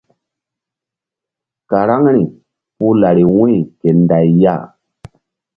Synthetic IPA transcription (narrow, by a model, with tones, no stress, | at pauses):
ka˨ɾa˦ŋɾi˨ | pu˦la˨ɾi˨we˦˨ke˨nda˨jja̰˦˨